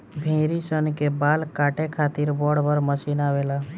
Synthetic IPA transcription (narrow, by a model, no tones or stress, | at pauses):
bʱẽɾisənkebalkaʈekʰat̪iɾbɔɽbəɾməsinabela